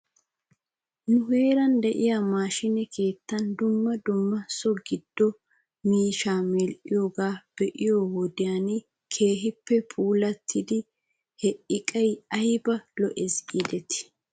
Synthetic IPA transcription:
nʊhe̞ːɾɐnd̪ɛʔɪjamaːʃɪnɛkʰe̞ːt̪ːɐnd̪ʊmːɐd̪ʊmːɐsɔɡɪd̪̥ːɔ | miːʃaːmɛlʔɪjoːɡaːb̥ɛʔɪjoːwɔd̪ɪjanɪ | kʰe̞ːɦɪpːɛpʰuːlɐt̪ʰːɪd̪ɪ | hɛʔɪkʼɐjɐjbɐlɔʔɛsɡid̪ɛt̪ɪ̥

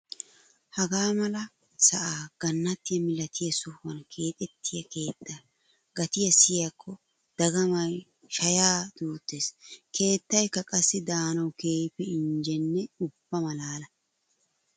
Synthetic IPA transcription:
hɐɡaːmɐlɐ | sɐʔaːɡ̥ɐnːɐt̪ːɪjɐmɪlɐt̪ʰɪjɐsʊhwɐnkʰe̞ːt̪ʼɛt̪ʰːɪjɐke̞ːt̪ʰːaː | ɡ̥ɐt̪ɪjɐsɪjɐkʰːɔ | d̪̥ɐɡɐmɐj | ʃɐjaːd̪̥uːt̪ːe̞ːskʰe̞ːt̪ːɐjkːɐkʼɐsːɪd̪aːnɐwke̞ːpːɛɪnd͡ʒɛnːɛʊb̥ːɐmɐlaːlɐ

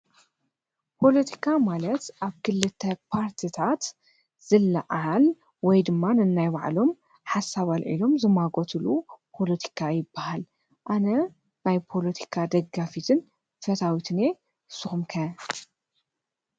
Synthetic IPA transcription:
pʰo̞lɐt̪ʰi̥kʰamalɐt̪ʔaβkʰɨlːɨt̪ʰːɐpʰaɾt̪ʰit̪ʰat̪ | z̥ɨlːɐʕal | wɔjd̪ɨmːanɨnːajbaʕlo̞m | ħasːaβalʔḭlo̞mzɨmaɡot̪ʰɨlupʰo̞lɐt̪ʰi̥kʰajɪbːahal | ʔanɐ | najpʰo̞lɐt̪ʰi̥kʰad̪ɐɡːafit̪ʰɨn | fɐt̪ʰawit̪ʰɨne̞ | sɨxumkʰɐ

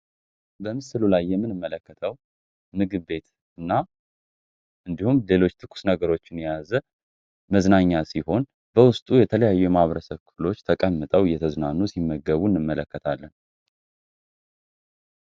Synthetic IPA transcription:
bəmɨsɨlulajːɛmːɨnɨmːələkːət̪ʰəw | mɨɡɨβːe̞t̪ | ɨnːa | ʔɨnd̪ihumle̞lo̞t͡ʃːt̪ʰɨkʰʼːu̥snəɡəɾo̞t͡ʃːɪnjazə | məznaɲːasiho̞n | bəwʊst̪ʼujɛt̪ʰələjajːuɛmaβəɾəsəβkʰɨfɨlo̞t͡ʃːt̪ʰəkʼəmːɨt̪ʼəwjɛt̪ʰəznanːusimːəɡəβunːɨmːələkːət̪ʰalːən

